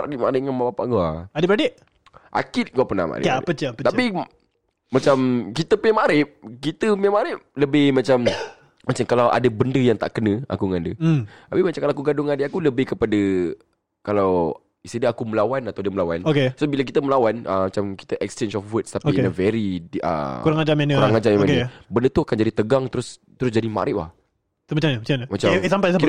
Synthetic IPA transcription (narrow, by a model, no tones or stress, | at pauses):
adiʔmaɾɪtŋanmapapa̰ʔɡua̰adɪbadeʔ | ʔa̰kit̪̚ɡuaʔpəna̰hma̰ɾɪ̰pət͡ʃpət̪api | mat͡ʃamkit̪əpəɲamaɾɪp̚kit̪əpəamaɾɪp̚ləbɪhmãt͡ʃam | mat͡ʃamkalawʔa̰dəbəndəjaŋt̪aʔkənə̃a̰kuŋandət̪apimat͡ʃamkalaakuɡadʊŋadɪʔakuləbɪhkəpadə | kalaw | isidaakuməlawanat̪awdəməlawanokesobilək̬it̪əməlawanə̰mat͡ʃamki̥t̪əʔɛkst͡ʃensɔfwətst̪apːəvɛɾiə̰kuɾaŋad͡ʒamankuɾaŋad͡ʒamjamaəbəndət̪uakand͡ʒadit̪əɡaŋt̪əɾʊst̪əɾʊsd͡ʒadima̰ɾʔɪʔ̚la̰h | t̪umat͡ʃaməat͡ʃaəmat͡ʃasampaskit